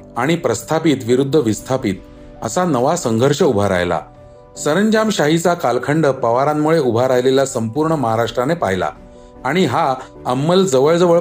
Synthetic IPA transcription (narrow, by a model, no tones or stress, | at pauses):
aɽ̃ipɾəst̪ʰapit̪ʋiɾud̪ʱːəʋist̪ʰapit̪̚ | ə̰sanəʋasəŋɡʱəɾɕəubʱaɾa̰jla̰ | səɾəɲd͡ʑamɕaɦit͡sakalkʰəɳɖəpəʋaɾamːuɭeubʱaɾajleljasəmpuɾɳəməɦaɾaʂʈɾanepaɦjla̰ | aɽ̃iɦa | əmːəld͡zəʋəɭd͡zəʋəɭ